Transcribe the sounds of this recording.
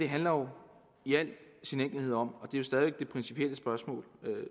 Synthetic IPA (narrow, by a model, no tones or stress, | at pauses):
d̥e̝ɦænlɐjo̝ | iæl̰̥sinen̰ɡ̥l̩ihe̝ð̞̰ˠɒ̽m̰ɒ̽d̥e̝jo̝sd̥ɛðiʋeɡ̥̚d̥e̝pʰʁɛnsipʰiel̰əsb̥ɶɐsmɔ̰̽ːlø